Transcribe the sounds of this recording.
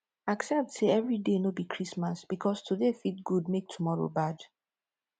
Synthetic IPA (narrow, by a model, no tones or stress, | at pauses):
aksɛp̚tseɛvɹidenobikʰɹismasb̥ikʰɔstʰudefit̚ɡ̥udmek̚tʰumɔɹo̰bad